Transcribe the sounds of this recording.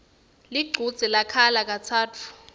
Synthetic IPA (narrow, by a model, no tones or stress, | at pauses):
liɡ͡ǀʱud̥z̥ʱilakʰalak̬ʼat͡sʰaːtʰu̥